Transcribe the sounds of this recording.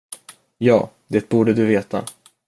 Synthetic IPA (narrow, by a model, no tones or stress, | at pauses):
jɑː | d̪eːt̪̚buːɖəd̪ɵveːt̪a̰